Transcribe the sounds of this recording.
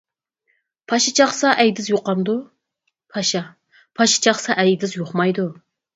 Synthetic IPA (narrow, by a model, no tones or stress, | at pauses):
pʰɑʃɑt͡ʃʰɑχsɑʔɛjd̪ɪzjoqɑmd̪u | pʰɑʃɑ | pʰɑʃɑ̥t͡ʃʰɑχsɑʔɛjd̪ɪzjoχmɑjd̪u